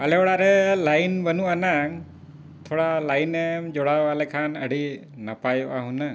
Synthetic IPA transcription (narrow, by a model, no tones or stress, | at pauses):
alɛɔɽaɾɛlajnbənuʔanaŋ | t̪ʰɔɽalajnɛmd͡ʒɔɽaalɛkʰanəɽi | napajʔaɦuna